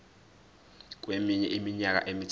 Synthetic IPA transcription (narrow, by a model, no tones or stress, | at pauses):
k̬ʼwemiɲɛʔimiɲak̬a̰ʔemit͡sʰ